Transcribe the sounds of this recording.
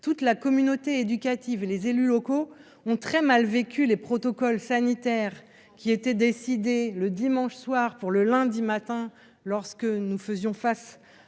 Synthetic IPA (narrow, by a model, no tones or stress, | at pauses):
t̪ut̪lakɔmynot̪eed̪ykʲat̪ivelezelylɔko | ɔ̃t̪χɛmalvekʲylepχɔt̪ɔkɔlsanit̪ɛʁ | kʲiet̪ɛd̪esid̪eləd̪imɑ̃ʃswaʁpuʁləlɛ̃d̪imat̪ɛ̃ | lɔʁskənufəzjɔ̃fas